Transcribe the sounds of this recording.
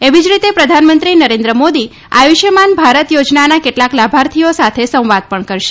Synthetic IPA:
eʋid͡ʒɾit̪epɾəd̪ʱanmə̃nt̪ɾinəɾend̪ɾəmod̪i | a̰juʃəmanbʱaɾət̪jod͡ʒnanakeʈlaklabʱaɾt̪ʰijosat̪ʰesə̃w̃ʋad̪̚pəɳkəɾʃe̥

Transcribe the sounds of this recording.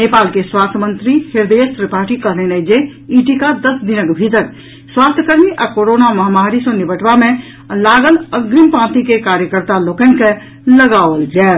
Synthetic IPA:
nepaːlkeswast̪ʰjəmənt̪ɾihiɾd̪eəsɾipaːʈikəɾlenɛd͡ʒeiʈikad̪əsd̪inəkbʱit̪əɾ | swaːst̪ʰjəkəɾmiʔakoɾonaməɦamaɾisɔ̃nibəʈbamẽ | laːɡələɡɾimpãt̪ikekaɾjəkəɾt̪aloːkənke | ləɡaʋəld͡ʒaː

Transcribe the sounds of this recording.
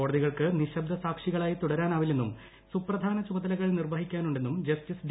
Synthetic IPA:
o̞ːɽɐðiɣɐɭkɨniɕɐb̚d̪ʱɐsaːkʂiɣɐɭaːjit̪uɽɐɾaːnaːʋilːe̞nːum | suprɐd̪ʱaːnɐt͡ɕubɐðɐlɐɣɐɭnirʋɐɦikʲːaːnuɳɖe̞nːumd͡ʑɐstisɖ

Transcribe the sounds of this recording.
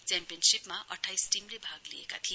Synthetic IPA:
t͡sampijʌnsipmaʔʌʈʰajsʈimlebʱaɡliḛka̰t̪ʰi

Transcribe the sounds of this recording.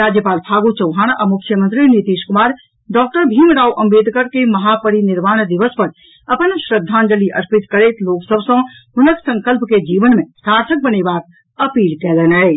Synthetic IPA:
ɾaːd͡ʒjəpaːlpʰaːɡut͡ʃɐ̃wɦaːɽ̃ʔɐmʊkʰjəmə̃nt̪ɾinit̪iːʃkʊmaːɾ | ɖɔːk̚ʈəɾbʱiːmɾaːwʔɐ̃mbeːd̪ʱkəɾkemɐɦaːpəɽinɪɾmaːɽ̃d̪ɪʋəspɐɾ | ɐpənʃɾəd̪ʱːãːnd͡ʒəliʔɐɾpɪt̪kəɾeːt̪loːksəbsõɦʊnəksə̃ŋkəlpked͡ʒiːʋənmẽsaːɾt̪ʰək̚bəneːbaːk̚ | ɐpiːlkɛːlənɦɛː

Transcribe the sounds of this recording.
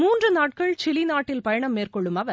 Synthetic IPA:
muːndrɯnaːʈ̚kɐɭt͡ʃɪliɪnaːʈːɪlpɐjɐɳɐmːeːrkɔɭːɯmɐʋɐ

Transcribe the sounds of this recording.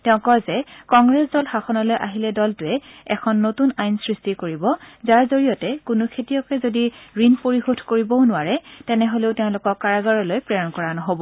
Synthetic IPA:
tɛʊ̃kɔjzɛkɔŋɡɹɛsdɔlhaxɔnalojʔaɦilɛdɔltʊɛɛkʰɔnːotunajnsɹistikoɹibɔzaɹzoɹijɔtɛkʊnʊkʰetijɔkɛzodiɹinpoɹixodʱkoɹibɔʊnʊaɹɛtɛnɛɦoleʊtɛʊ̃lʊkɔkːaɹaɡaɹɔlojpɹɛɔnkɔɹanɔɦobɔ

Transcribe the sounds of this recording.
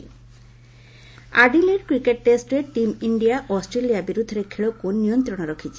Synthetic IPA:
aɖileɖkɾikeʈːesʈɾeʈimiɳɖijaʔɔsʈɾelijabiɾud̪ʱːɔɾekʰeɭɔkunːijɔnt̪ɾɔɽ̃ɔɾɔkʰit͡ʃʰi̥

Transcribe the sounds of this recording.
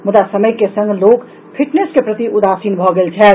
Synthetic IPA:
mud̪asəməjkesə̃ŋɡʱlok | pʰiʈneskepɾət̪iʔud̪asinbʱɔɡelt͡ʃʰɛ

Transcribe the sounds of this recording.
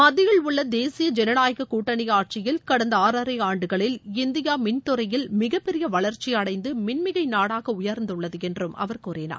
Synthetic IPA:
mɐðɪɣɐɭʊɭːɐd̪eːsɪjɐd͡ʒɛnɐnaːjɐɣɐkuːʈːɐnɪjaːʈ̚t͡ʃɪjɪlkɐɽɐnd̪ɐaːɾɐɾɐɪaːɳɖɯɣɐɭɪlɪnd̪ɪjaːmɪnt̪ʊɾɐjɪlmɪɣɐpːɛɾɪjɐʋɐɭɐɾt͡ʃɪɐɽɐɪnd̪ɯmɪnmɪɣɐɪnaːɽaːɣɐʊjɐɾnd̪ɯɭːɐðɯɛndrɯmʔɐ̰ʋɐɾkuːɾeːna̰ː

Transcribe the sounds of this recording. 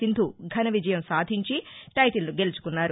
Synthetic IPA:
ind̪ʱuɡʱɐnɐʋid͡ʒɐjɐmsaːd̪ʱiɲt͡ʃiʈɐjʈilːnuɡe̞lut͡ʃu̥kunːaːɾu

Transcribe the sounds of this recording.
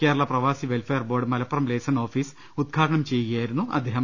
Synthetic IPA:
ke̞ːɾɐɭɐprɐʋaːsiʋe̞lfejɐrbo̞ːrɖɨmɐlɐpːɐrɐmle̞ːsɐno̞ːfiːs | ud̪̚ɡʰʱaːʈɐɳɐmt͡ɕe̞jukɐjaːjiɾunːuɐ̰d̪ʱːeːɦɐm

